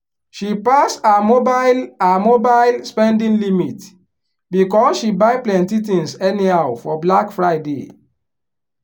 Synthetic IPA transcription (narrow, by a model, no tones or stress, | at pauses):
ʃipasamobaɪlamobaɪlspɛ̃ndĩnlimit | bikɔsʃibaɪplɛ̃ntitĩnsɛnihawfɔblakfɹaɪdḛ